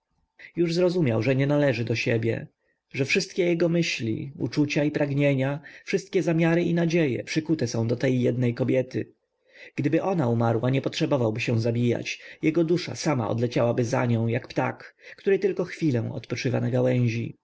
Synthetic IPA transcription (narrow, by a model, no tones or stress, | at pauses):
juʐzɾɔzumʲjawʐɛɲɛnalɛʐɘd̪ɔɕɛbʲjɛ̰ | ʐɛfʂɘst̪kʲɛjɛɡɔmɘɕlʲḭṵt͡ʂut͡ɕaipɾaɡɲeɲafʂɘst̪̚kʲɛzamʲjaɾɘinad͡ʑejɛ̰pʂɘkut̪ɛsɔ̃w̃d̪ɔt̪ɛjːɛd̪nɛjkɔbʲjɛt̪ɘ̰ | ɡ̥d̪ɘbɘʔɔnaumaɾwaɲɛpɔtʂɛbɔvawbɘɕɛ̃w̃zabʲija̰t͡ɕjɛɡɔd̪uʂa̰sama̰ɔ̰d̪lɛt͡ɕawabɘza̰ɲɔ̃w̃jakpt̪a̰kːt̪uɾɨt̪ɘlkɔxfʲilɛ̃w̃ɔ̰t̪pɔt͡ʂɘva̰naɡawɛ̃ʑḭ